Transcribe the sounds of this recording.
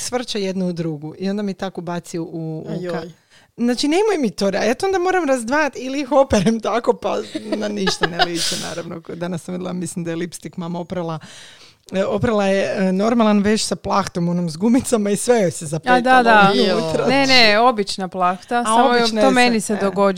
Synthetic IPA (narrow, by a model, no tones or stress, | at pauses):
sʋr̩t͡ʃajed̪nuud̪ɾuɡuio̞nd̪amit̪akobat̪sioʔuka | znaːt͡ʃinemujemit̪oɾajaːt̪oond̪amo̞ɾamɾazd̪ʋaːjat̪iliixo̞peɾemt̪ako̞pa̰naniʃt̪anelit͡ʃena̰ːɾaʋnokd̪anasːamʋid̪ilˠamislimd̪ajelipst̪ikmaːmaopɾalˠa | opɾalˠajeno̞ɾmalˠanʋet͡ʃsaplˠaxt̪o̞monomzɡumit̪samaisʋejojsezapad̪t̪aut̪ɾaneneobit͡ʃnaplˠaxt̪asaaomobt͡ʃnaomenised̪oɡo